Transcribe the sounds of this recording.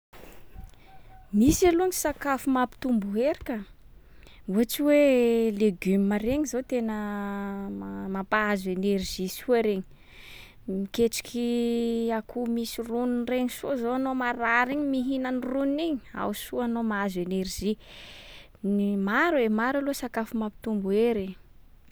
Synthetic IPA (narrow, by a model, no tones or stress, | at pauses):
misalunisakafumapi̥t̪umbuɦeɾikə | uaʈ͡ʂiweleɡymmaɾeɲizot̪enə | mamapaazenerʒisuaɾeɲi̥ | mikeʈ͡ʂi̥kʲʰiakʰumisiruninreɲisozoanomaɾaɾiɲimiɦinanirunniɲi̥a̰wsuanomaazenerʒi | nimaɾwemaɾalosakafumapi̥t̪umbueɾeɲi